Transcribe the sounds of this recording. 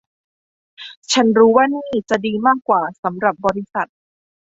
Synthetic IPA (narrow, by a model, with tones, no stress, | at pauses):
t͡ɕʰa˦˥nɾuː˦˥waː˥˩niː˥˩t͡ɕa˨˩diː˧maː˥˩kːwaː˨˩sa˩˦mɾa˨˩p̚bɔː˧ɾi˦˥sa˨˩t̪̚